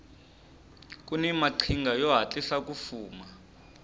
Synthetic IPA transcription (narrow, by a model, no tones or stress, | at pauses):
k̬ʼunɛmaǃʰiŋɡʱajɔɦat͡ɬʼisak̬ʼufuːma